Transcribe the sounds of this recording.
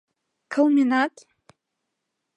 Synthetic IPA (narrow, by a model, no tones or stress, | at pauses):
kʰawminatʼ